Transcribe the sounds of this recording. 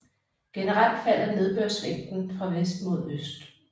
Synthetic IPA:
ɡ̥e̝nəʁɑ̈l̰d̥fæl̰ɐne̝ð̞ˠb̥øɐ̰sʋeŋ̰d̥n̩fʁɑ̈ʋesd̥mo̝ð̞ˠøsd̥

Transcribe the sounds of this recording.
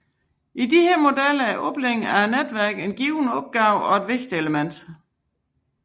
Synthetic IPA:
ʔidiheɐmo̝delɐæʔɔb̥leŋ̩æɐned̥ʋæɐ̰ɡ̥e̝nɡ̥iːʊnəɒ̽b̥̚ɡ̥ɑ̈ʊɒ̽e̝d̥ʋe̝ɡ̥d̥ieləmen̰d̥

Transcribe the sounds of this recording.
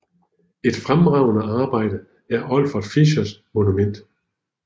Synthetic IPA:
e̝d̥fʁamʁɑ̈ʊnəɑ̈ːb̥ɑ̈ɪ̰d̥ə | æɐʔɒ̽lfɒd̥fiɕɐsmo̝numen̰d̥

